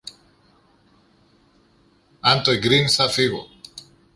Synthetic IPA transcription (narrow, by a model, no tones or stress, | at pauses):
ant̪ojɡɾinsafiɣo